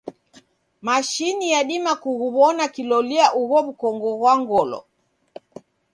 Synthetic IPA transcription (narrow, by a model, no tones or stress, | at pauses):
maʃinijaɗimakuɣuβɔnakilɔliaʔuɣɔβukɔŋɡɔɣwaŋɡɔlɔ̰